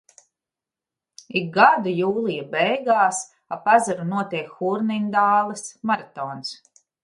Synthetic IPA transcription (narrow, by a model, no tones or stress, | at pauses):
ik̚ɡad̪ujuːlˠijabɛjɡaːs | apazaɾunuɔt̪iɛkxuɾnind̪aːlˠɛsmaɾat̪ɔːns